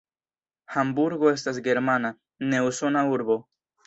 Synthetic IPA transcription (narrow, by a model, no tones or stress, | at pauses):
hambuɾɡoes̬t̪as̬ɡe̞ɾmana | ne̞wsonauɾbo